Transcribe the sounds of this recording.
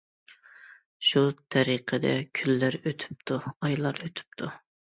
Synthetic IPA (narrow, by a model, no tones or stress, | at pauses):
ʃut̪ʰɛɾiqʰəd̪ɛ̰kʲʰylːæɾøt̪ʰy̥p̚t̪ʰuɑjlˠɑɾøt̪ʰy̥p̚t̪ʰu